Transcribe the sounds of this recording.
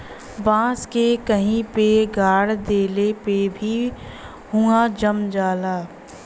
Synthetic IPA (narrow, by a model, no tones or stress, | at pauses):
bãːskekəɦĩpeɡʱaːɽd̪eːlepebʱi | huad͡ʒəmd͡ʒaːlaː